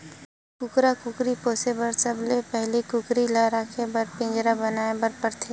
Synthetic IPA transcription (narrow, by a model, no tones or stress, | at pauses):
kʊkɾakʊkɾipoːsebəɾsɐblepɛɦlikʊkɾilaɾaːkʰebɐɾpɪ̃ːd͡ʒɾabɐnaːebəɾpəɾt̪ʰeː